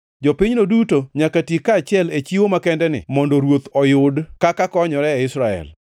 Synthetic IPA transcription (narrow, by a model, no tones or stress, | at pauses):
d͡ʒɔpɪɲnodutoɲakatikːaːt͡ʃɪɛlet͡ʃiwomakɛndɛnɪ̰mɔndɔɾwot̪ɔjʊdkakakɔɲɔɾɛɛɪsɾaɛ̰l